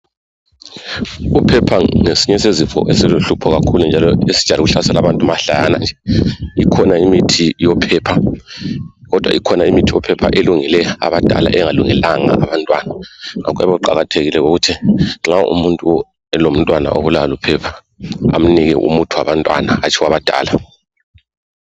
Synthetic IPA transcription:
upʰɛpʰaŋesiɲɛsezifɔ̰ʔesiluɬupʰɔɣakʰulund͡ʒʱalɔesid̥ʒ̥ʱaliɣuɬasɛlaβantʼumaɬaja̰na̰nd͡ʒʱɛikʰɔnaimitʰijɔpʰɛpʰa | ɣɔd̥ʱwa̰ikʰɔnaimitʰijɔpʰɛpʰa̰ʔeluŋilɛa̰βad̥ʱa̰la̰ʔɛŋaluŋɛlaŋa̰ːβantʼwanaŋa̰k̬ʼɛ̰βaǃa̰ɣatʰeɣilɛɣuɣutʰiŋ͡ǁaʔṵmuntʼu | ɛlom̩tʼwana̰ʔoβulawalupʰɛpʰḁ | a̰m̩niɣɛ̰ʔṵmutʰuwaβantʼwa̰naat͡ʃʰiwaβad̥ʱa̰ːla

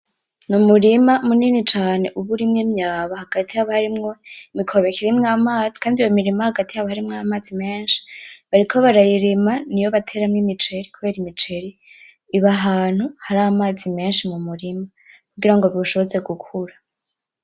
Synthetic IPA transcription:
numuɾimamuniːnit͡ʃaːne̞ʔuβuɾimŋemɲjaːβahaɡ̥atijaβahaɾimŋoimikʰo̞βe̞kiɾimŋaːmaːzi̥kaːndijomiɾimahaɡatijaβahaɾimŋamaːzime̞ːnʃi̥βaɾikʰo̞βaɾajiɾimanijo̞βatʰe̞ɾamŋimit͡ʃe̞ɾikuβe̞ːɾimit͡ʃe̞ɾiː | βaɦaːn̥huhaɾaːmaːzime̞ːnʃimumuɾima | kuɡiɾaŋɡo̞ɾuʃo̞βoze̞ɡukʰuɾḁ

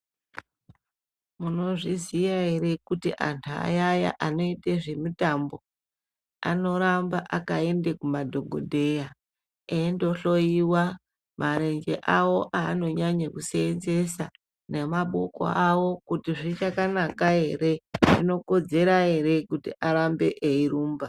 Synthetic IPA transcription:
muno̞ʐizijaɦe̞ɾe̞kutḭʔa̰ntʰua̰jaja̰ʔano̞iteʐe̞mitambo̞ | a̰no̞ɾambaʔakae̞ndekumadʱo̞ɡʱo̰dʱe̞ja | endo̞ɬo̞jiwa | mʔaɾe̞ɲd͡ʒḛʔawo̞ʔaːno̞ɲaɲekuseːnze̞sa | ne̞maɓoko̰awo̞kutiʐit͡ʃakanakaɦe̞ɾe̞ʐino̞ko̞d͡ze̞ɾaɦe̞ɾe̞kutḭʔaɾambe̞ʔeiɾuːmba

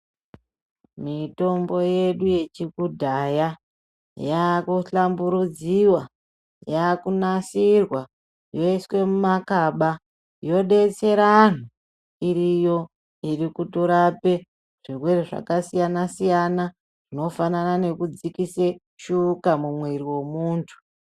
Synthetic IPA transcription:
mito̞mbo̞je̞ɗuje̞t͡ʃiɡudʱaja | jakuɬambuɾud͡ziwa | jakunasirwa | jo̞iswe̞mumakaɓa | jo̞ɗe̞t͡se̞ɾan̤u | iɾijo̞ | iɾikutuɾape | ʐ̥irwe̞reʐa̰kasijanasijana | ʐ̥ino̞fananane̞kud͡zikise | ʃukamumweɾiwe̞muːntʰu̥

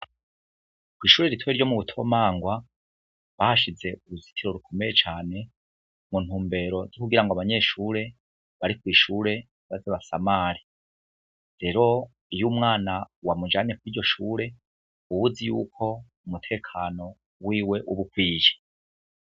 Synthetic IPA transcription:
kwiːʃuːɾe̞ɾitʰweɾɟo̞muβutʰo̞̰maːŋɡwa | βahaʃize̞ʔuɾuzi̥tʰiɾo̞ɾukʰo̞mejet͡ʃaːne̞ | mun̥huːmbe̞ɾo̞zikuɡiɾaŋɡoaβaɲe̞ːʃuːɾe̞ | βaɾikwiːʃuːɾe̞ | βaziβasa̰maːɾi | ɾe̞ɾo̞ | ijuːmŋaːnawamud͡ʒaɲekwiːɾɟo̞ʃuːɾe̞ | uβuzijuːkʰo̞ | umutʰe̞ːkʰaːno̞ | wiːwe̞ʔuβukwiːʒe̥

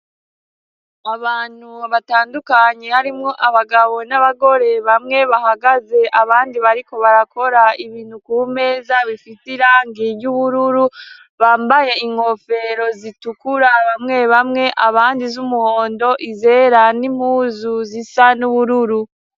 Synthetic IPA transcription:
aβaːn̥huβataːndukaɲe̞haɾimŋo̞ʔaβaɡaβo̞naβaɡo̞ɾe̞βamŋe̞βahaɡaze̞ʔaβaːndiβaɾiko̞βaɾako̞ɾaiβiːnhukuːme̞ːzaβifitiɾaŋɡivɟuβuɾuɾu | βaːmbaje̞iŋho̞fe̞ɾo̞zitukuɾaβamŋe̞βamŋe̞ʔaβaːndizumuhoːndo̞ʔize̞ɾanim̥huːzuzisanuβuɾuɾu

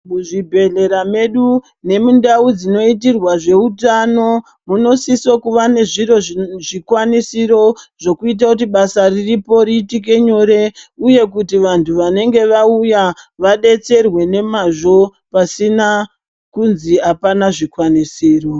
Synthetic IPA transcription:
muʐibʱe̞ɮe̞ɾame̞ɗu | ne̞mundaud͡zino̞it̬irwaʐe̞utano̞ | muno̞sisokuʋane̞ʐiro̞ʐikwanisiɾo̞ʐo̞kuit̬akut̬iɓasariripo̞ɾitik̬e̞ɲo̞ɾe̞uje̞k̬utiʋantʰuʋane̞ŋɡe̞ʋaujaʋaɗe̞t͡se̞rwe̞ne̞maʐo̞ | pasina | kunziapanaʐikwanisiːro

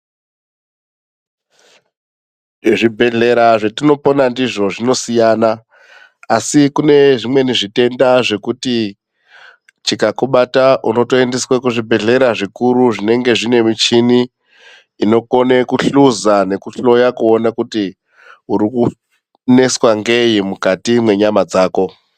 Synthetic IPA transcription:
ʐibʱe̞ɮe̞ɾaʐetino̞po̞nandiʐo̞ʐino̞sijaːnaː | sikune̞ʐimwe̞niʐite̞ndaʐe̞kuti | t͡ʃikakuɓataʔuno̞to̞e̞ndeswakuʐibʱe̞ɮe̞ɾaʐikuɾuʐine̞ŋɡe̞ʐine̞mit͡ʃiniː | no̞ko̞ne̞kuɬuzane̞kuɬo̞jakuonakuti | uɾiku | ne̞swaŋɡe̞jimukatimwe̞ɲamad͡zaːko̞

